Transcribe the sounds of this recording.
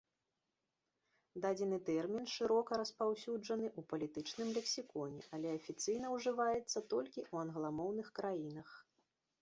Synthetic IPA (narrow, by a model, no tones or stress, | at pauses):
d̪ad͡zʲɛnɨt̪ɛrmʲinʂɨɾɔkɐɾɐspawsʲud͡ʐɐn̪ɨʔupɐlʲit̪ɨt͡ʂnɨmlʲɛksʲikɔnʲɛ̰ʔɐlʲɛɐfʲit̪sɨjn̪ɐwʐɨvajɛt̪sːɐt̪ɔlʲkʲiʔuɐnɣlˠamɔwn̪ɨxkɾajinɐx